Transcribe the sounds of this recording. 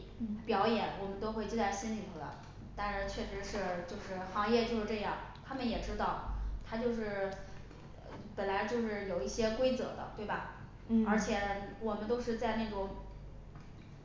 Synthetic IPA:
pjɑ˧˥ʊjɛ˨˩˦nwɔ˨˩mə˦nt̪o˥ʊxwe˥˧ɪt͡ɕi˥˧t͡sa˥˩ɪɕi˥nli˨˩ŋd̪ə̰˧ | t̪a˥˧nʂɻ̩˥˩t͡ɕʰɥɛ˥˩ʂɻ̩˧˥ʂɻ̩˥˧t͡ɕjo˥˧ʊʂɻ̩˥˩xɑ˧˥ŋjɛ˥˧t͡ɕjo˥˧ʊʂɻ̩˥˧ʈ͡ʂɤ˥˧jɑ˥˩ŋt̪ʰa˥mə˨njɛ˨˩ʈ͡ʂɻ̩˥t̪ɑ˥˩ʊt̪ʰa˥t͡ɕjo˥˧ʊʂɻ̩˥˩ | pə˨˩nla˧˥ɪt͡ɕjo˥˧ʊʂɻ̩˥˩jo˨˩ʊi˥˩ɕjɛ˥kwe˥ɪt͡sɤ˧˥d̪ə̰˧t̪we˥˩ɪbɐ˨˩ | ə˞˧˥t͡ɕʰjɛ˨˧˩wɔ˨˩mə˦nt̪o˥ʊʂɻ̩˥˧t͡sa˥˧ɪne˥˩ʈ͡ʂʊ˥ŋ

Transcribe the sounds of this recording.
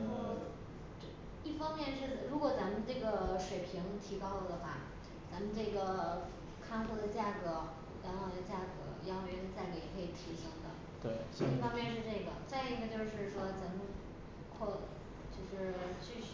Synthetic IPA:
i˥˩fɑ˥ŋmjɛ˥˧nʂɻ̩˥˩˨ɻu˧˥kwɔ˨˩t͡sa˧˥mə˧nʈ͡ʂɤ˥˩ɡə˩ʂwe˨˩ɪpʰi˧˥ŋt̪ʰi˧˥kɑ˥˩ʊlə˩d̪ə˩xwa˥˩ | t͡sa˧˥mə˧nʈ͡ʂɤ˥˩ɡə˩ | kʰɑ˥˧ŋfɔ˥˩d̪ə˩t͡ɕja˥˩kɤ˧˥ | la˧˥nxɑ˨˩ʊd̪ə˧t͡ɕja˥˩kɤ̰˧˥˧ɑ˥ŋ˥˧ɥɛ˥ʂɻ̩˥˧t͡sa˥˩ɪke˧˥ɪ˨˩kʰɤ˧˥i˨˩t̪ʰi˧˥ʂɤ˥ŋd̪ə̰˨ | t̪we˥˩si˥˩fɑ˥ŋmjɛ˥˧nʂɻ̩˥˧ʈ͡ʂɤ˥˩ɡə̰˩t͡sa˥˧ɪi˥˩ɡə˨˩t͡ɕjo˥˧ʊʂɻ̩˥˩ʂwɔ˥t͡sa˧˥mə˧n | kʰɔ˥˧ | t͡ɕjo˥˧ʊʂɻ̩˥˧t͡ɕy˥˧˥

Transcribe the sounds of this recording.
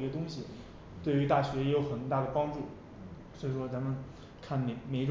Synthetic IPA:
i˥ɡə˧t̪ʊ˥ŋɕi˨ | t̪we˥˩ɪy˧˥t̪a˥˩ɕɥɛ˧˥jɛ˧˥jo˧˥ʊxə˨˩nt̪a˥˩d̪ə˩pɑ˥ŋʈ͡ʂu˥˩ | swɔ˧˥i˧˥˩ʂwɔ˥t͡sa˧˥mə˨n | kʰa˥˩nme˧˩ɪme˧˥ɪʈ͡ʂ

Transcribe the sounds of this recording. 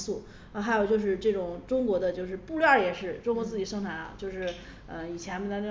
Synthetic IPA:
su˥˩ | ə˧˩xa˧˥ɪo˨˩ʊt͡ɕjo˥˧ʊʂɻ̩˥˧ʈ͡ʂɤ˥˩ʈ͡ʂʊ˨˩ŋʈ͡ʂʊ˥ŋkwɔ˧˥d̪ə˧t͡ɕjo˥˧ʊʂ̬ɻ̩˥˧pu˥˧ly˥ə˞˥˩jɛ˨˩ʂɻ̩˥˩ʈ͡ʂʊ˥ŋkwɔ˧˥t͡sɹ̩˥˩t͡ɕi˨˩ʂɤ˥ŋt̪ʰa˧˥ɪɐ̰˧t͡ɕjo˥˧ʊʂɻ̩˥˩ | ə˧i˨˩t͡ɕʰjɛ˧˥nmə˧nɑ˥n˥

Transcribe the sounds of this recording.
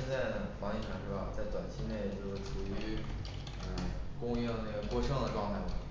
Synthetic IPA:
nt͡sa˥˩ɪnə˩fɑ˧˥ŋi˥˩ʈ͡ʂʰa˧˥nʂo˥˩ɐ̰˩t͡sa˥˩ɪt̪wa˨˩nt͡ɕʰi˧˥ne˥˩ɪ˧˩t͡ɕo˥˩ʊʂʈ͡ʂʰu˨˩y˧˥ | ə˧kʊ˥ŋ˥˩na˥˩ɡə˩kwɔ˥˧ʂɑ˥˩ŋd̪ə˨˩ʈ͡ʂɑ˥˧ʊt̪ʰa˥˩mə˩

